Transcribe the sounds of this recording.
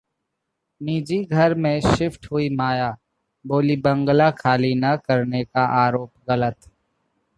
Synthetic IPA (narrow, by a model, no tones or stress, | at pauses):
niːd͡ʒiɡʱɐɾmẽʃɪfʈɦʊimaːjaː | boːlibɐ̃ŋɡlakʰaːlinɐkɐɾnekaʔaːɾoːpɣɐlət̪